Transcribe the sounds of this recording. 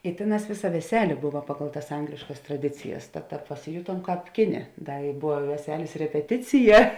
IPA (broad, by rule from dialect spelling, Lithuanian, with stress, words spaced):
ɪ ˈtʲeːˌnɑːs ˈʋʲeːˌsɐ ʋʲɛˈsʲæːlʲeː ˈbʊʋɐ ˈpɑːɡɐlˠ tɐs ˈɐŋɡlʲɪʃkɐs trɐˈdʲɪt͡sʲɪjɛs tɐt ˈtɑːp pɐsʲɪˈjʊtuɔm ˈkɑːp ˈkʲɪˌnʲeː ˈdɐ ɪ ˈbʊʋɐ ɪ ʋʲɛˈsʲæːlʲeːs rʲɛpʲɛˈtʲɪt͡sʲɪjɛ